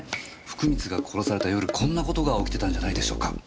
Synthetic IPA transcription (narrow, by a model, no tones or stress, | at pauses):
ɸɯ̥kɯ̟mʲit͡sɨɡakʰo̞ɾo̞saɾe̞t̪ajo̞ɾɯ̟kʰõ̞nːako̞t̪oɡao̞kʲt̪e̞t̪ãɲ̟d͡ʑanaid̪e̞ɕo̞̰ːka